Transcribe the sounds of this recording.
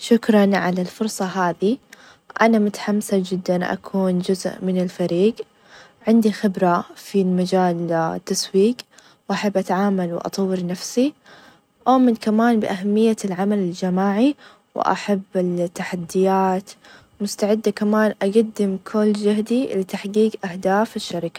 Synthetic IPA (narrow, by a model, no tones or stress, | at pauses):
ʃʊkɾˤɑnʕalalfʊɾsˤɑɦaːði | ʔanamʊt̪ħamsad͡ʒɪd̪ːanʔa̰kʰuːnd͡ʒʊzʔmɪnɪlfaɾiːɡ | ʕɪnd̪ixɪbɾafilmad͡ʒaːlt̪ːaswiːɡ | wʔaħabːʔat̪aʕaːmalwʔɑ̰t̪ˤɑwːɪɾnafsi | ʔoːmɪnkamaːnbɪʔaɦamːɪjːalʕamalɪld͡ʒamaːʕi | w̰ʔa̰ħabːɪlt̪ːaħad̪ːɪjaːt̪ | mʊst̪aʕɪd̪ːakamaːnʔaɡad̪ːɪmkʰʊlːd͡ʒahd̪ilɪt̪aħɡiːɡʔahd̪aːfɪʃːaɾɪka